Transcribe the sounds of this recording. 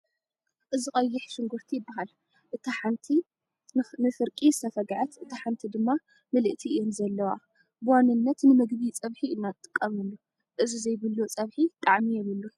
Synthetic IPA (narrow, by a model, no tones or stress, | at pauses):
ʔɨziχʼɐjːɪħʃɨŋɡʊɾt̪ʰijɪbːaɦal | ʔɨt̪ʰaħant̪ʰi | nɨfɨɾkʼist̪ʰɐfɐɡʕat̪ʔɨt̪ʰaħant̪ʰid̪ɨmːa | mɨlɨʔt̪ʰijonzɐlːɐwa̰ | bɨwanːɨnːɐt̪nɨmɨɡbit͡sʼɐβħiɨnːat̪ʼːɨ̥kʼːɐmɨlːu | ʔɨzizɐjbɨlːot͡sʼɐβħit̪ʼaʕmijɛβɨlːu